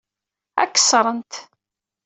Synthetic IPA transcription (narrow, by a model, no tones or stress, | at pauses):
æ̰kːə̥sɾˤənt̪